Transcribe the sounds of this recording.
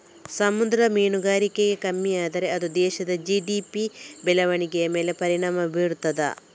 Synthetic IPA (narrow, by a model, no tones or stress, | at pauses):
sɐmud̪ɾɐmeːnuɡaːɾikeɡekɐmːijaːd̪ɐɾe̞ɐd̪ud̪ɛːʃɐd̪ɐd͡ʒiɖiːpibɛlɐʋɐɳikejɐme̞ːlepɐɾiɳaːmɐbʱiːɾut̪ːɐd̪ɐ̰